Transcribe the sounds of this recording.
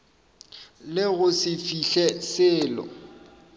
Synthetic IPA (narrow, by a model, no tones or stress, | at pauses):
lɪɣʊsɪfiɬɛsɪːlɔ̰